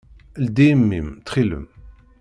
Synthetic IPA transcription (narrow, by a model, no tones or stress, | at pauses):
əld̪imːimt̪χilə̰m